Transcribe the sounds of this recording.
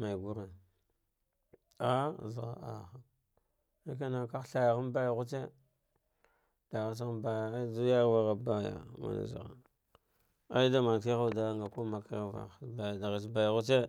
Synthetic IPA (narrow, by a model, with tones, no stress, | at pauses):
ma˨i˨ɡu˦ɾa˨n | a˦˨zɣa̰˨a̰˨xa˨ | na˦k̬a˦na˨ka˦xɬa˨ja˨ɣa˦n˦ba˦ja˨ɣu˦t͡ʃe˦ | d̥a˨ɣa˦s̬ɣa˦ba˦ja˨˦du˦ja˦ɣva˦ɣa˨ba˦ja̰˨ma̰˨na̰˨za̰˨ɣa̰˨ | a̰˦i˦da˦ma˨ki˦a˦˨da˦ŋɡa˨ko˦ma˨ka˦a˦va̰˨ba˨jda˨ɣi˨sba˨jɣu˦t͡ʃe˦